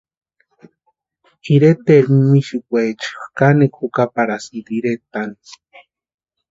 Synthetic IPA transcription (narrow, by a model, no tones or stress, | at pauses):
iɾet̪eɾmiʃikʷet͡ʃxkanekʰukapaɾasnd̪iɾet̪ani